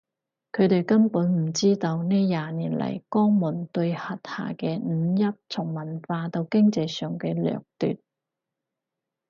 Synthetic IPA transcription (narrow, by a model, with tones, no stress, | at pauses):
kʰɵ˨˧t̪e˨jkɐ˥mpuː˨˥nm̩˨˩t͡siː˥t̪o˧wneː˥jaː˨niː˨˩nlɐ̰˨˩jkɔː˥ŋmʊ˨˩nt̪ɵ˧ɥhɐ˨t̚ha̰ː˨˩kɛː˧n̩˨˧jɐ˥p̚t͡sʰʊ˨˩ŋmɐ˨˩nfaː˧t̪o˧wkɪ˥ŋt͡sɐ˧jsœː˨˩ŋkɛː˧lœ̰ː˨k̚t̪y̰ː˨˩t̚